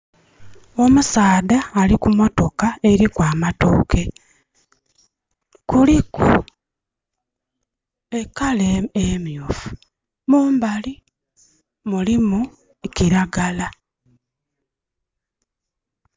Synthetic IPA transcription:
o̞musaːdaːlikumo̞to̞kae̞ɾikwaːmatoːke̞ | kulikṵ | e̞kaleemjofu̥ | muːmbali | mulimu | ciɾaɡala

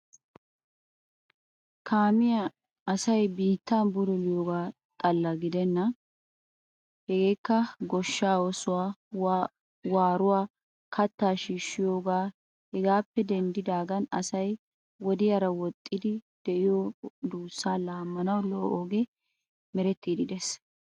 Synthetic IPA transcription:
kʰaːmɪjɐ | ɐsɐjbiːt̪ːabʊd̪ɔlɪjoːɡaː | t̪ʼɐlːɐɡɪd̪ɛnːɐ | hɛɡe̞ːkːɐɡɔʃːaːwɔsʊwaː | waːɾʊwaː | kʰɐt̪ːaːʃiːʃːɪjoːɡaː | hɛɡaːpːɛd̪ɛnd̪ɪd̪aːɡɐnɐ̰sɐj | wɔd̪ɪjɐɾɐwɔt̪ʼːɪd̪ɪd̪̥ɛʔɪjod̪uːsːaːlaːmːɐnɐwlɔʔoːɡe | mɛɾɛt̪ːiːd̪ɪd̪ɛs

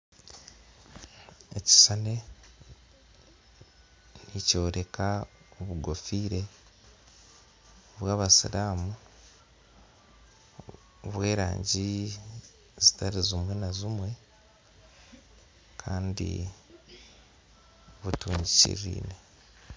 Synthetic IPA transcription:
eci̥sane̞ | nico̞ːɾe̞ka | oβuɡofiːɾe̞ | βwaːβasḭɾaːmu | βwe̞ːɾa̰ːɲɟi | zitaɾizumwe̞nazimwe̞ | kʰaːndḭ | βutuːɲɟicḭɾḭːne

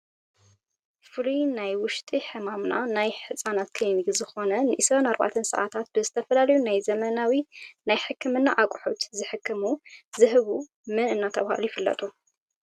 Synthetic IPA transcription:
fɨlinajwʊʃt̪ʼiħɨmamnanajħɨsʼanat̪̚kʰɐjmɨɡzɨxo̞nɐnɨʔisɾɐnaɾba̰t̪ʰɐnsɐ̰ʔa̰t̪ʰat̪̚b̥ɨzɨt̪ʰɐfɐlalɐjunajzɐmɐnawinajħɨkʰːɨmɨnːaʔakʼħut̪zɨħɨkʰːɨmuzɨɦɨβu | mɨnɨnːat̪ʰɐβha̰lujifɨlːɐ̰t̪ʼu

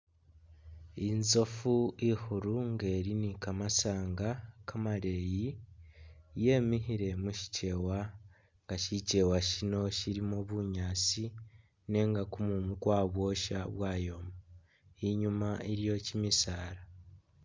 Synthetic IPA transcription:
inzo̞fuihuɾuŋɡeːɾinikamasaːŋɡakamaɾe̞ji | je̞ːmiɦiɾe̞muʃi̥ce̞wa | ŋɡaʃice̞waʃino̞ʃiɾimoβuɲaːt͡si | ne̞ŋɡakumumukwaːβwo̞ʃa̰βwaːjo̞ma | iɲumaiɾijo̞cimisaːɾa

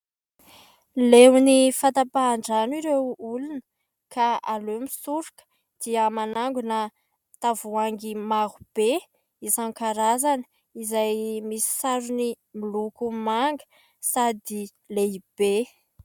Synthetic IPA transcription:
lewnifant̪apaːɳɖ͡ʐaniɾewulunə | kaalomisuɾikə̥ | d̪̥iəmanaŋɡunə | t̪avuaŋɡimaɦub̥e | isaŋkaɾazanə̥ | izajmisi̥saɾuni | milukumaŋɡə̥ | sad̪i | leib̥e

